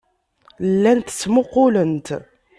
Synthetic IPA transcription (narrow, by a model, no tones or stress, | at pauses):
lːænt̪ə̥t͡sːmoqːʊlənt̪